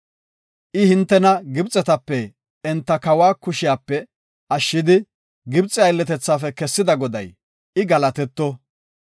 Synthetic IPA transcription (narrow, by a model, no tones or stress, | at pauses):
ʔɪhɪnt̪ːɛnɐɡɪbt͡sʼɛt̪ɐpːɛː | nt̪ːɐkɐwaːkʊʃɪjaːpːɛ | ɐʃːɪd̪ɪ | ɡɪbt͡sʼːɪɐjlːɛt̪ɛt͡sːaːfɛkɛsːɪd̪ɐɡɔd̪ɐ̰j | ɪɡɐlɐt̪ɛt̪ːɔ